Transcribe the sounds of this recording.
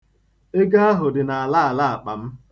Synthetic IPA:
e˦ɡa˦a˦ɦʊ˨dɪ˨na˨a˨la˦a˨la˦a˨k͡pa˨m̩˦

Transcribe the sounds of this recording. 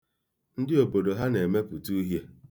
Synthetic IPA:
n̩˦dɪ˦o˨bo˨do˨ɦa˦ne˨me˦pʊ˨tu˦ɦje˦

